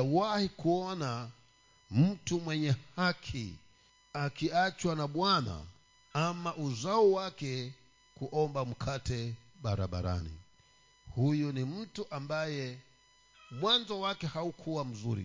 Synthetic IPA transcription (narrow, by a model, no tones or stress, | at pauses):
awahikuɔna | mm̩tumwɛɲɛhakʰḭ | akiat͡ʃwanaɓwana̰ | amaʔuzaɔwakɛ | kuʔɔmbam̩kʰatɛ | ɓaɾa̰ɓa̰ɾa̰nḭ | hujunim̩tuʔambajɛ | mwanzɔwakɛhaukʰuwam̩zuɾḭ